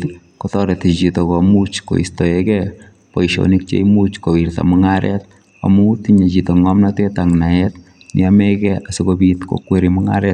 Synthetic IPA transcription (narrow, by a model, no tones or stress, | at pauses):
t | kotɔɾetit͡ʃitokɔmut͡ʃko̰ḭstoekɛ | poiʃo̰nik̚t͡ʃḛimut͡ʃkowiɾta̰mʊŋaɾɛ̰t | a̰mutiɲet͡ʃitoŋɔmnatetaŋnaɛt̪ | nɪ̰amɛkɛasikobit̪ko̰kweɾimʊŋa̰ɾɛt